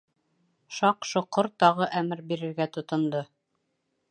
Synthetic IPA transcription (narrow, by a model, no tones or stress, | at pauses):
ʃɑqʃŏqːoɾt̪ɑʁɤʔæmɘɾbiɾɘ̆ɾɡæt̪ŏt̪ŏnd̪o